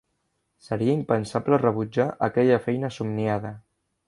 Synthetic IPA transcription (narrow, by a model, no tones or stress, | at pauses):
səɾiəimpənsaplərəβud͡ʒaʔəkɛʎəfɛjnəːsumniaðə